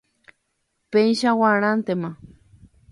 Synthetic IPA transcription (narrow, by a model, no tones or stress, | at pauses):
peĩʃawañant̪ema